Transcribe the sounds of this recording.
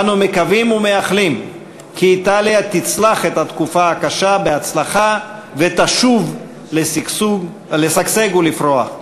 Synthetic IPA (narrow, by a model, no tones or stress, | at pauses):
numekavimumeaχlim | kiːt̪aljat̪it͡slaχet̪hat̪kufaakaʃabeat͡slaχavet̪aʃuv | le | lesakseɡulifʁoa